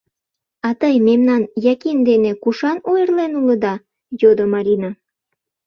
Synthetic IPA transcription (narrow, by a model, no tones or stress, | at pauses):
ɑt̪əjmemnɑnjɑkind̪enekuʃɑnojərlenuləd̪ɑ | jod̪omɑɾʲinɑ